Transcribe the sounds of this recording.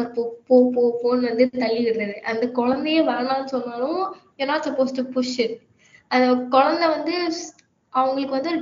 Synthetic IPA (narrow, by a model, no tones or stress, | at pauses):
ɾpopoːpoːfoːnʋɐnd̪ɯt̪ɐɭːɪʋɪɽɯnɐðɯʔɐnd̪ɐkɔɻɐnd̪ɛjɐ̃ʋɛːɳãːnːɯsɔnːaːlʊ̃joːnaːʈsɐpːoːsʈupʊʂɪɾ | ɐnd̪ɐkɔɻɐnd̪ɛʋɐnd̪ɯ | ɐʋɐŋɡɐɭɯkːɯʋɐnd̪ɯɾ